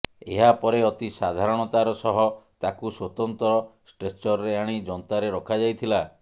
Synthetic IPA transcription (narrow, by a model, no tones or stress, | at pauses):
ḛɦapɔɾeɔt̪isad̪ʱaɾɔɽ̃ɔt̪aɾɔsɔɦɔt̪akuswɔt̪ɔnt̪ɔɾɔsʈɾet͡ʃɔɾɾeaɽ̃id͡ʒɔnt̪aɾeɾɔkʰad͡ʒajt̪ʰila